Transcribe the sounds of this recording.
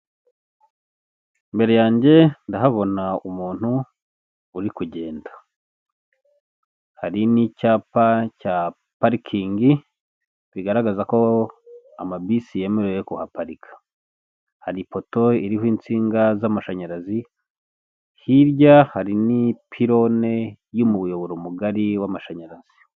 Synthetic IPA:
imbe̞ɾe̞jaːɲɟe̞ndaɦaβo̞naumuːn̥huː | ɾikuɟe̞ːndḁ | haɾinicaːpaca | paɾikʰiːŋɡi | βiɡaɾaɡazako̞ | a̰mabisije̞meɾwejekuhapaɾikʰḁ | haɾipo̞to̞iɾihwiːnt͡siːŋɡazamaʃaɲaɾazi | hiɾɟahaɾinipʰiɾo̞ne̞ | jumuβujo̞βo̞ɾomuɡaɾiwamaʃaɲaɾaz̥i

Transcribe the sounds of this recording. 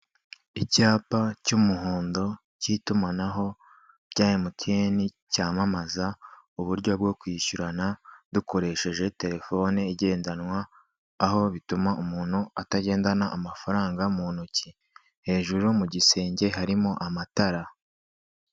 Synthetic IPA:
icaːpacumuɦuːndo̞ | citumanaɦo̞ | b̥ɟaːjimukieni | caːmamaza | uβuɾɟo̞b̚ɡo̞kwiːʃuɾanaduko̞ɾe̞ʃe̞ʒe̞te̞ɾe̞fo̞neiɟe̞ːndanwaː | ɦo̞βitumaʔumuːn̥huataɟe̞ːndanaʔamafaɾaːŋɡamuːnuci | he̞ːʒuɾumuɟise̞ːɲɟe̞ɦaɾimo̞ʔamataɾa

